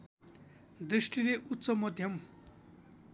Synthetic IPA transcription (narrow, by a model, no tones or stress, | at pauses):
d̪risʈileʔut̪ːsʌmʌd̪ʱjʌm